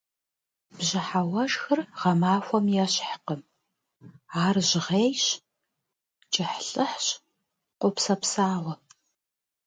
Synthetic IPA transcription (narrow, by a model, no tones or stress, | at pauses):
b̥ʑɪħawɐʒxɨrʁɐmaːxʷɔmjɛɕħqəm | aːrʑɪʁeːjɕ | t͡ʃʼɪħɬʼɨħɕ | qʷʼʊpsɐpsaːʁʷɐ